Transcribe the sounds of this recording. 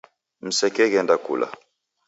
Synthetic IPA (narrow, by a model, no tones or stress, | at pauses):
m̩sɛkɛɡɛndakṵla̰